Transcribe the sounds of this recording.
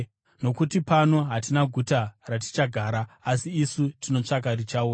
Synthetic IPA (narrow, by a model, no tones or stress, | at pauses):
no̞kutipano̞ɦatinaɡʱutarati̥t͡ʃaɡʱaːɾaːsiːsutino̞t͡ʂak̬aɾit͡ʃauːa